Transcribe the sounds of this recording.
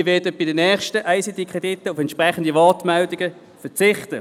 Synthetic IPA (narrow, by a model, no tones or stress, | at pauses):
ʋɛːɐdəb̥ɪdənɛːχʃtəʔaɪsit̪kʰʁedɪtːəʊfɛntʃpʁɛχən̩divɑːtmɛldɪɡə | fɛt͡sɪχtə